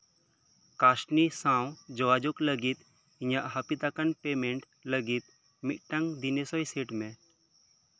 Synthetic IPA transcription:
kasnisãwd͡ʒɔʋad͡ʒokləɡit̪ | iɲaʔɦəpit̪akanpemeɳʈ | ləɡit̪̚ | miʔ̚ʈãŋd̪inesɔjseʈmɛ

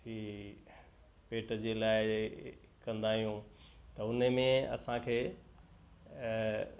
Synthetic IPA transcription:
ɦiː | peːʈəd͡ʑeːlaːɪ | kɐ̃nd̪aːɦijũt̪ɐʊnəmẽɐ̰sãkʰeː

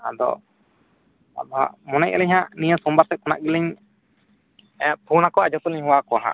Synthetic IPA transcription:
a̰d̪ɔ̰ | a̰d̪ɔɦa̰mɔnɛʔ̚əlɛɲɦãʔnijəsɔmbaɾt̪ɛkɔnaʔɡiliɲ | pʰunakɔad͡ʒɔt̪uliɲɦuwakɔwaɦã̰

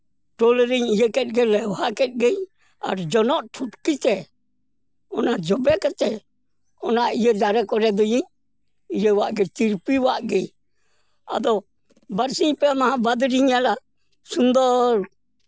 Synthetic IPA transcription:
ʈɔlɾiɲijəkɛt̪̚ˀɡɛlɛwhakɛt̪̚ˀɡɛj | a̰ɾd͡ʒɔnɔʔʈʰuʈkit͡ʃɛ | ɔnad͡ʒɔbɛkɛt͡ʃɛ | ɔnaijəd͡ʒaɾɛkɔɾɛd̪ɔjiɲ | ijəwaʔɡɛt͡ʃiɾpiwaʔɡɛj | a̰d̪ɔ | baɾsiɲpɛmaɦãbad̪ɾiɲala | sund̪ɔɾ

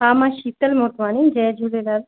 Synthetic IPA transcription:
aːmãʃit̪əlmoːʈmaːnind͡ʒɛd͡ʒulelal

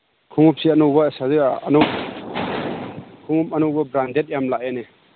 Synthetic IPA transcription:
kʰuŋup̚siɐnuwbɐsaziɐnu | kʰuŋupɐnuwbɐbɾandet̚jamlaʔene

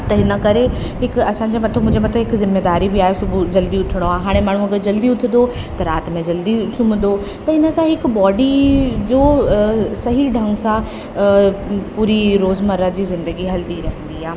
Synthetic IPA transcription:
t̪ɐɪnə̆kɐɾe | ɦɪkɐsã̆d͡ʑemɐt̪ʰəmʊ̃ɦd͡ʑemɐt̪ʰəɦɪkzɪmːeːd̪aːɾibiaːɦesʊbd͡ʑɐld̪iʊt̪ʰɪɽ̃oaːeɦaːɽ̃emaːɳ̤ũɐɡəɾd͡ʑɐld̪iʊt̪ʰɪnd̪o | t̪ɐɾaːt̪mẽd͡ʑɐld̪isʊmnd̪o | t̪ɐɪnə̆sãɦɪkbɔːɖid͡ʑoːsɐɦiɖʱɐ̃ŋɡsã | puːɾiɾoːzmɐɾəd͡ʑiːzɪ̃nd̪əɡiɦɐlt̪iɾɐɦə̃n̆d̪iaːɦ

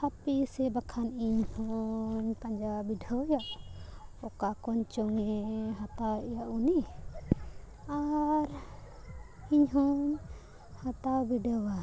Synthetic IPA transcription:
hapisɛbakʰaniɲhɔɲpaɲd͡ʒabiɖʱəwjaʔ | ɔkakɔɲt͡ʃɔŋɛɦat̪awɛʔjaʔuni | aɾ | iɲɦɔɲ | hat̪awbiɖʱəwa

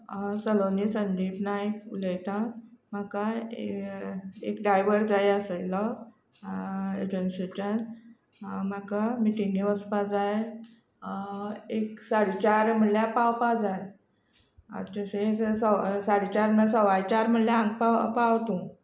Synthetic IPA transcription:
səlonisənd̪ibnajkuləjt̪ãmaka | ekɖajʋəɾd͡zajəselɔ | ḛd͡ʑenset͡ɕən | makamiʈiŋɡiʋəspad͡zaj | eksaɽit͡ɕaɾm̤əɳljapawpad͡zaj | ə̰t͡ɕəseeksɔsaɽit͡ɕaɾməasɔʋajt͡ɕaɾm̤əɳljaãŋɡpapaʋt̪ũ

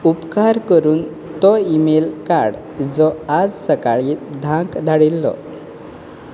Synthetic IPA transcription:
upkaɾkəɾuːn | t̪ɔimelkaɾɽ | d͡zɔad͡zsəkaɭiːd̪ʱãkd̪ʱaɽilːɔ̰

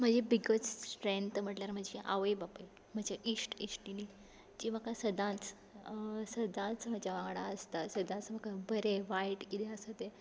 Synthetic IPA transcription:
m̤əd͡ʑebiɡət͡ssʈɾent̪m̤əʈljaɾm̤əd͡ʑeʔa̰ʋəjbapəj | m̤əd͡ʑaʔisʈisʈini | d͡ʑim̤əkasəd̪ʱãt͡s | səd̪ãt͡sm̤ad͡ʑaʋãŋɡɽaəst̪asəd̪ʱãt͡sm̤əkabʱəɾeʋajiʈkit̪eəsət̪e

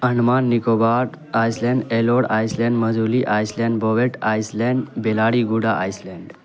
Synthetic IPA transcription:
ənmanːikobaʈ | ajslɛ̃ɳɖeloɽajslɛ̃ɳɖməd͡zuliʔajslɛ̃ɳɖbʱɔʋeʈajslɛ̃ɳɖbelaɽiɡuɽaʔajslɛ̃ɳɖ

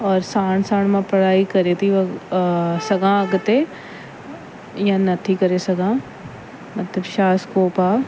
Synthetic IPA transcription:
ɔːɾsaːɳ̃sãːɳ̃mãpɐɽaːikɐɾet̪ʰi | sɐɡãɐɡt̪e | jãnɐt̪ʰikɐɾesɐɡãː | mɐt̪ləbʃaːskoːpaː

